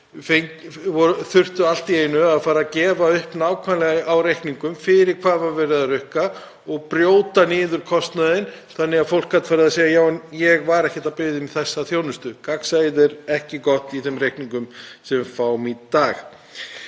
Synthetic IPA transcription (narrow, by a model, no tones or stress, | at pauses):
feŋvɔɾθʏr̥t̪ʏal̥t̪ieːjnʏaðfaːɾacɛːvaʏhpnaːwkʰvanlɛɣaawɾejhkniŋkʏmfɪɾɪɾ̥kʰvaːðvaɾvɛːɾɪðarʏhka | ɔɣpɾjoːwt̪anɪːðʏɾ̥kʰɔst̪naðɪn | θanːɪɣafowl̥kːat̪faɾɪðaseːjɣajaːwɛnjɛɣvaɾɛhcɪt̪apɪːðɪmiθɛsːaθjoːwnʏst̪ʏkaksajðɛɾɛhcɪkɔht̪iθɛmɾejhkniŋkʏmsɛmfaːwmit̪aːx